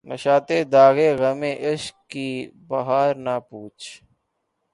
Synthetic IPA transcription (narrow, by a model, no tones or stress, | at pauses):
nəʃaːt̪eːd̪aːɣeːɣəmẽːʔɪʃkkibɐɦaːɾnapuːt͡ʃʰ